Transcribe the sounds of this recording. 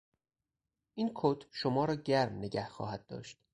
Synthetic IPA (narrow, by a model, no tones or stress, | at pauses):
ʔiːnkʰoːt̪ʰʃomɒːɾɒːɟæɾmneɟæhxɒ̰ːhæd̪̥̚d̪ɒ̰ːʃt̪